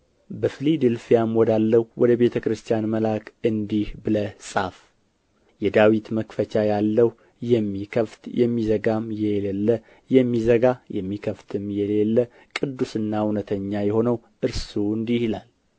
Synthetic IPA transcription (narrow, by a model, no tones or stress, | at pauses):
bəfɨlid̪ɨlfijamwɔd̪alːəwwɔd̪əβe̞t̪ʰəkɾɨst̪ʰjanməlakʰɨnd̪ihbɨləsʼaf | jɛd̪awit̪məkfət͡ʃʰajalːəw | jɛmːikʰəft̪jɛmːizəɡamjɛlelːə | jɛmːizəɡajɛmːikʰəft̪ʰɨmjɛlelːə | kʼɨd̪ːusɨnːaunət̪ʰəɲːajɛho̞nəw | ʔɨɾsuɨnd̪ihilal